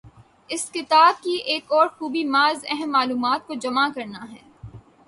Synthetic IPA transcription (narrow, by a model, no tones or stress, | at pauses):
ɪskɪt̪aːb̚kiʔeːkɔːɾxuːbimaːzɛɦɛmːaːluːmaːt̪̚kod͡ʒɐmakɐɾnaɦɛː